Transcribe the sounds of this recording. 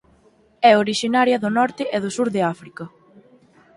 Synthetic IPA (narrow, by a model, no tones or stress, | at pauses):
ɛoɾiʃinaɾjɐðʊnɔɾt̪ɪʔeðʊsuɾðeafɾikɐ